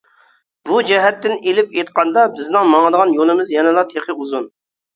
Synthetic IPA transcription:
bud͡ʒɛɦɛt̪ːɪnelɪpjet̪̚qɑnd̪ɑbɪznɪŋmɑŋɨd̪əʁɑnjolˠɪmɪzjɛnɛlˠɑt̪ʰeχʰəuzun

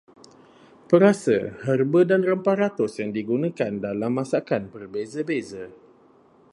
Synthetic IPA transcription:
pəɾasə̰hərbədanrəmpaɾat̪ʊsjaŋdiɡunãkandalamːãsakanpərbezəbezə

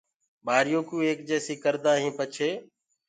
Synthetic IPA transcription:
ɓaːɾɪjoːkũːeːkd͡ʒɛːsiːkəɾd̪aːɦĩːpət͡ʃʰeː

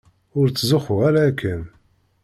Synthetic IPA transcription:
ʊɾt͡sːzʊχʊʁaɾaːkʰːən

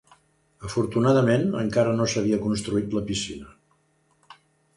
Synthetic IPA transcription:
əfuɾt̪unaðəmenə̰ŋkaɾənosəβ̞iəkunst̪ɾuit̪ləpisinə

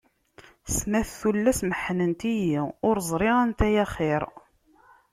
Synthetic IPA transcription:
smæθːulːæsməħnənt̪ijiʊɾzˤɾˤɪʁænt̪æjæχeɾ

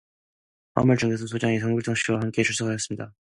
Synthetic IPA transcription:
a̰mɯɭt͡ɕɯŋɡesʰʌnsʰod͡ʑaŋisʰʌŋɡuɭt͈ʰʌŋɕ͈ʰiwahamk͈e̞t͡ɕʰuɭs͈ʰokʰajʌs͈ɯmɲida

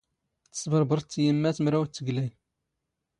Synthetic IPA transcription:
θə̥sbəɾˤbəɾˤt͡sːjəmːæsmɾæwt͡sːəɡlæj

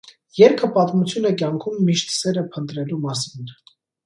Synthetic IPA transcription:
jɛɾkʰəpɑt̪mut͡sʰjunəkjɑŋkʰumːiʃt̪sɛɾəpʰənt̪ɾɛlumɑsin

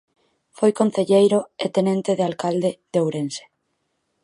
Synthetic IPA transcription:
fojkonθeʎejɾoet̪enẽnt̪eðealkald̪eðewɾense̥

